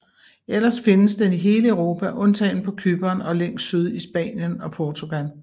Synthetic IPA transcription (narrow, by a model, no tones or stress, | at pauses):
el̰ɐsfe̝nəsd̥eniɦe̝ːləəʊʁo̝ːpʰæʔɔ̽nt͡sʰɛ̰ːn̩pʰɒ̽kʰyb̥ɐːnɒ̽leŋ̰ssyð̞ˠisb̥ɛ̰ːnjənɒ̽pʰɒːt͡sʰuɡ̥æn